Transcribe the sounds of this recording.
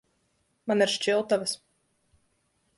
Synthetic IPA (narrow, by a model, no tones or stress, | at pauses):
maniɾʃt͡ʃilˠt̪avəs